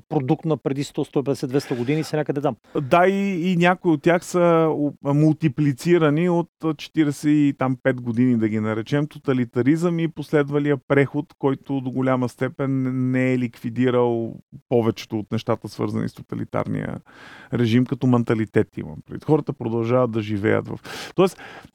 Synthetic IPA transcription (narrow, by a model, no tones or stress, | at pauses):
pɾod̪ukt̪nɐpɾɛd̪ist̪ɔst̪ɔipɛd̪ɛsɛd̪vɛst̪əɡʊd̪inisɛnʲakəd̪ɛd̪amd̪aiːnʲakoiot̪̚ːʲjaxsə | mulˠt̪iplit̪siɾɐniot̪t͡ʃɛ̥t̪iɾɛsɛit̪ampɛt̪ɡod̪inid̪ɐɡ̟inɐɾɛt͡ʃɛmt̪ot̪ɐlit̪ɐɾizəmiposlɛd̪vɐlijəpɾɛxot̪kɔjt̪ʊd̪oɡʊlʲaməst̪ɛpɛnːɛɛlikvid̪iɾəlˠpɔvɛt͡ʃɛ̥t̪oːt̪nɛʃt̪at̪əsvɤ̰ɾzɐ̰nḭst̪o̥t̪ɐ̰lḭt̪a̰ɾnḭjə̰ɾɛʒimkɐt̪ɔmɛnt̪ɐlit̪ɛt̪ḭmɐ̰mpɾɐvḭt̪xɔɾət̪əpɾod̪ɐlˠʒavɐt̪̚d̪ɐʒivɛ̰jə̰t̪vɐ̰ft̪ɔɛs